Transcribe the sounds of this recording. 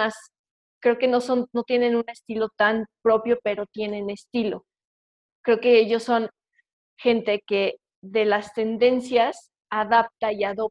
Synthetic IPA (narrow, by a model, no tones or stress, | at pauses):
as | kɾe̞oke̞no̞so̞nno̞t̪je̞ne̞nũne̞st̪ilo̞t̪anpɾo̞pjo̞pe̞ɾo̞t̪je̞nẽ̞ne̞st̪ilo̞̰ | kɾe̞oke̞eʝo̞sːo̞n | xe̞nt̪e̞ke̞ | ðe̞last̪e̞nd̪e̞nsjas | aðap̚t̪aiaðo̞p